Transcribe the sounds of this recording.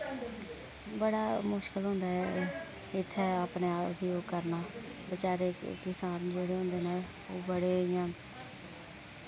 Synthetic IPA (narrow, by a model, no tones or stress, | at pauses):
bəɽaːmʊʃkəlɦʊ̃ːnd̪aːɛː | ɪt̪ʰːɛːaːpneːaːpd̪iːoːkəɾnaː | bət͡ʃaːɾeːkɪsaːnd͡ʒeːɽeːɦʊ̃nd̪eːneː | oːbəɽeːɪjãː